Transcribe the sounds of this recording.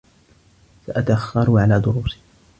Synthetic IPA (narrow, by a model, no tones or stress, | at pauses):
saʔat̪aʔaxːɑɾˤʊʕalaːd̪ʊɾuːsi̥